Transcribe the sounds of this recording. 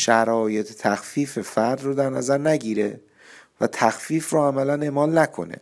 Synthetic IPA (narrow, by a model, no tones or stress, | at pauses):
ʃæɾɒːje̞t̪ʰet̪ʰæxfiːfe̞fæɾd̪rod̪æɾnæzæɾnæɟiːɾe | væ̰t̪ʰæxfiːfroːæmælæne̞ːmɒːlnækʰo̞̰nḛ